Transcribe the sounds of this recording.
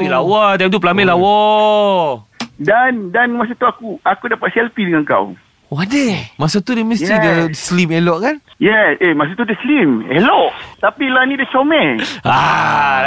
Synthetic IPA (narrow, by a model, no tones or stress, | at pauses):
ilawat̪ajmt̪up̬əlamɛlawɔ | dandanmas̬at̪uakuakudapat̪̚sɛlfidəŋaŋka̰w | oadəmasat̪udəmə̃sidəslimelɔʔkanjɛsemas̬at̪udəslimɛlɔʔt̪apilanidət͡ʃomɛa